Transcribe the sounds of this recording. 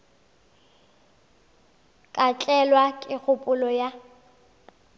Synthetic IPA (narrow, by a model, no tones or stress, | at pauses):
kʼat͡ɬʼɛlwakʼɪk͡xʰʊpʼʊlɔja